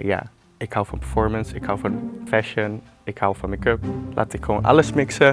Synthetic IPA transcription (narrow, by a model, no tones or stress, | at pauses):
ja̰ | ɪkhawfɔ̃npəɹfɔɹmə̃nsɪkhawfɔnfɛʃə̃n | ɪkhawfɔ̃nməkøpla̰tɪkʰonʔa̰ləsmɪksə